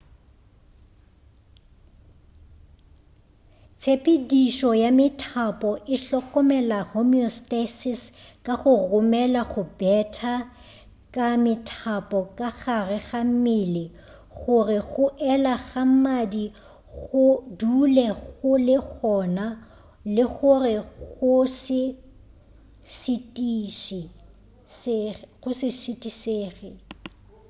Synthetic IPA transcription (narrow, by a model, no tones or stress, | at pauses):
t͡sʰepʼediʃɔjamɪtʰapʼɔʔɪɬɔkʼɔmɛlahomiɔstasɪskʼaχʊrʊmɛlaɣʊbɛtʰa | kʼamɪtʰapʼɔkʼaɣarɪɣamɪlɪ | ɣʊrɪɣʊʔɛlaɣamadi | ɣʊdulɛɣʊlɪɣɔna | lɪɣʊrɪɣʊsɪ | sɪtʼiʃi | sɣʊsɪsɪtʼiseːɣɪ